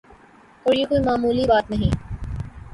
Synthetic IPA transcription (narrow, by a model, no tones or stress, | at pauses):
oːɾjekoːimaːmuːlibaːt̪nɐɦĩː